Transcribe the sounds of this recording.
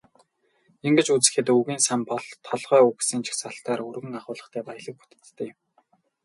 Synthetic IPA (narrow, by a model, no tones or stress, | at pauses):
eŋɡɘ̆t͡ɕut͡sɘ̆xeːt̪uɣiːnsampɔɮt̪ʰːɔɮʁœːuksiːnt͡ɕʰi̥xsaɬt̪aːɾɵrɣɘ̆ŋaχʊːɮə̆χt̪ʰæːpajə̆ɮĭk̚u̥t̪ɘ̥̆t̪ːʰĕːɪ̆m